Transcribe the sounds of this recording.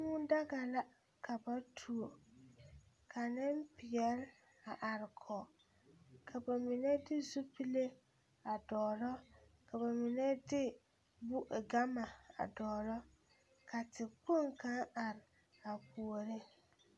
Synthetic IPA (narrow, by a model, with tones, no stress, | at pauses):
mu˦da˦ɡa˨la˦ | kʰa˨ba˦tʰu˨o˨ | kʰa˨nɪ˦m˦pɪ˨jɛ˨l | a˨ʔa˨ɾɪ˨kʰɔ˨ | kʰa˨ba˨mɪ˨nɛ˦dɪ˦zu˦pi˦le˦ | a˨dɔː˨ɾɔ˦ka˨ba˨mɪ˨nɛ˦dɪ˦ | bu˦ʔɡa˦ma˨a̰˨dɔː˨ɾɔ˦ | kʰa˨tɪ˨po˦˨ŋka˦a˨ɾɪ˨ | a˨pu˨o˨ɾɪ˦